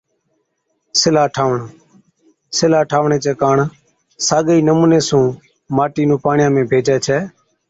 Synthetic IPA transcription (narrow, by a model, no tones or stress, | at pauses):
sɪlaːʈʰaːʋɳa | sɪlaːʈʰaːʋɳeːt͡ʃeːkaːɳ | saːɠiːnəmũːneːsũː | maːʈiːnũːpaːɳɪjãːmẽːbʱeːd͡ʒɛːt͡ʃʰɛː